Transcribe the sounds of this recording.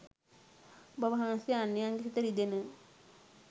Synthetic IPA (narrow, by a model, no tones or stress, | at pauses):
bəʋəɦãːnsjanːəjaŋɡisit̪əɾid̪enə